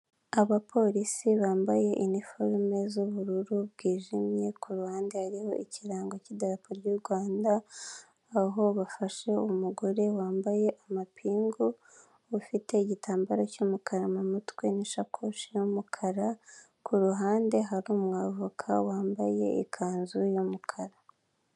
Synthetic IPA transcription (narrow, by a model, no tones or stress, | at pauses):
aβapʰo̞ɾisiβaːmbaje̞ʔinifoɾme̞zuβuɾuɾuβɡiːʒimje̞kʰuɾuhaːnde̞haɾiho̞ʔiciɾaːŋɡocidaɾapoɾɟuːɾɡwaːndaː | ɦo̞βafaʃe̞umuɡoɾe̞waːmbaje̞ʔamapʰiːŋɡu | ufite̞iɟitʰaːmbaɾocumukʰaɾamumutwe̞niʃakʰoʃijumukʰaɾa | kuɾuɦaːnde̞ɦaɾumŋaːvukʰa̰waːmba̰je̞̰ḭkʰaːnzujumukʰaɾa